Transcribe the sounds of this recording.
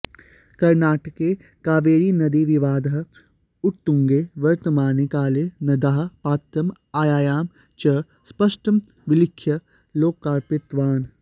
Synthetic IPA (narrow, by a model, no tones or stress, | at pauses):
kɐɾnaːʈəke | kaːʋeːɾinɐd̪iʋɪʋaːd̪ɦ | ʊʈ̚t̪ũŋɡeːʋɐɾt̪əmaːnekaːlenɐd̪aːɦpaːt̪ɾɐm | aːjaːjaːm | t͡ʃɐ | spɐʃʈəm | ʋɪlɪkʰːjə | loːkːaːɾpɪt̪ʋaːn